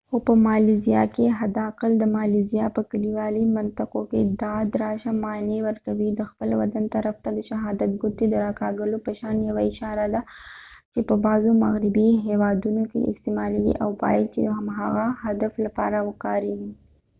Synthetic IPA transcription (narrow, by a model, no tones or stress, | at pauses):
xopəmɑlizijɑ̰keɦad̪ɑqɪld̪əmɑlizijɑpəkaliwɑlimant̪ɪqoked̪ɑd̪ɾɑʃamɑnewəɾkawid̪əxpəlwa̰d̪ant̪aɾaft̪ad̪əʃaɦɑd̪at̪̚ɡʊt̪ed̪əɾɑkɑɡəlopəʃɑnjawaɪʃɑɾad̪at͡ʃepəbɑzoma̰ɣɾɪbiɦewɑd̪unokḛɪ̰st̪emɑleɡḭʔa̰wbɑ̰jad̪̚t͡ʃemɦaɣahad̪aflapɑ̰ɾawəkɑɾeɡi